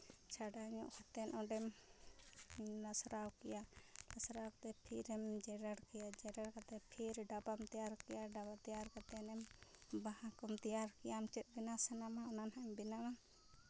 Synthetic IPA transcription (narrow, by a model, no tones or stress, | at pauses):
t͡ʃʰaɖaɲɔ̰ʔkʰat̪ɛnʔɔɖɛm | lasɾawkɛjalasɾawkt̪ɛpʰiɾɛmd͡ʒɛɾaɽkijad͡ʒɛɾaɽkat̪ɛpʰiɾɖabamt̪ijaɾkɛjaɖabat̪ijaɾkat̪ɛnɛmbaɦãkɔmt̪ijaɾkɛjamt͡ʃɛt̪̚ˀbinasɛnamaɔnanɦaɛmbinama